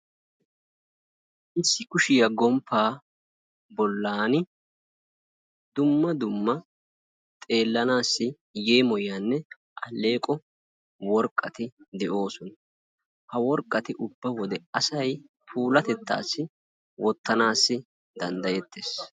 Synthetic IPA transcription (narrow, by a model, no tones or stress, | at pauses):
ʔɪsːɪkʊʃɪjɐɡɔmpːaː | bɔlːaːnɪ | d̪ʊmːɐd̪ʊmːɐ | t̪ʼe̞ːlːɐnaːsːɪ | je̞ːmɔjːaːnːɛ | ʔɐlːe̞ːkʼɔ | wɔɾkʼːɐt̪ɪd̪ɛʔo̞ːsɔn | hɐwɔɾkʼːɐt̪ɪʔʊbːɐwɔd̪ɛɐsɐj | pʰuːlɐt̪ɛt̪ːa̰ːsːɪ | wʔɔt̪ːɐnaːsːɪ | d̪̥ɐnd̪ɐjɛt̪ːe̞ːs